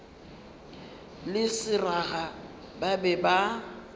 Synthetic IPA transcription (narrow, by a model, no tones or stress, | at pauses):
lɪsɪraɣa | babɛba